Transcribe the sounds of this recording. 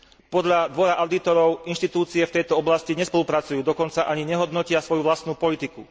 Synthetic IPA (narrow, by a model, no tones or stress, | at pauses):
pɔd̪ʎad̪ʋɔɾaʔaʊd̪it̪ɔɾɔʊinʃt̪it̪uːt͡siɛft̪ɛjt̪ɔɔblasciɲɛspɔlupɾat͡sujuːd̪ɔkɔnt͡saʔaɲiɲɛɦɔd̪nɔcɪasʋɔjuʋlast̪nuːpɔlit̪iku